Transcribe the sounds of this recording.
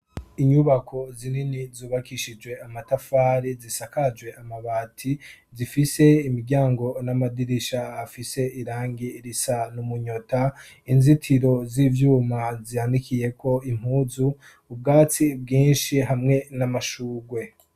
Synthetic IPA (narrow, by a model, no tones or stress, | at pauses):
iɲuβakʰo̞zininizuːβakiʃid͡ʒwe̞amatafaːɾizisakad͡ʒwe̞ʔamaβaːtʰizifise̞imiɾɟaːŋɡo̞namadiɾiʃaːfise̞iɾaːŋɡiɾisanumuɲo̞ta | inzitʰiɾo̞zivjuːmazihandikʰije̞kʰo̞im̥huːzuː | b̚ɡaːt͡sib̚ɡiːnʃiɦamŋe̞namaʃuːɡwe̞